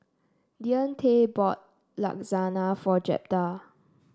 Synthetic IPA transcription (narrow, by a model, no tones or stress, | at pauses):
diə̃ntʰebɔt̚ | la̰k̚zanafɔd͡ʒɛ̰p̚ta